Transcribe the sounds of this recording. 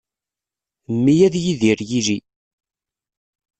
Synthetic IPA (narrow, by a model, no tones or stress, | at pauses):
mːijæðjiðiɾjili